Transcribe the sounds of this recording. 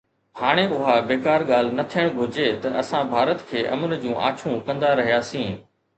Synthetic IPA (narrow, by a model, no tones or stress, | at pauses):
haːɽ̃eʊɦabeːkaːɾɠaːl̤nɐt̪ʰijəɽ̃ɡʱʊɾd͡ʑet̪ɐʔɐsãbʱaːɾət̪kʰeːʔɐ̰mənd͡ʑũːʔa̰ːt͡ɕʰũkɐ̃nd̪aɾɐɦijaːsĩː